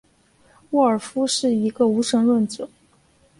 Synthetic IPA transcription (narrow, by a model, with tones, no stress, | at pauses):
wɔ˥˩ə˞˨˩fu˥ʂɻ̩˥˩i˧˥ɡə˧u˧˥ʂɤ˧˥ŋlwə˥˩nt͡sɤ˨˩˦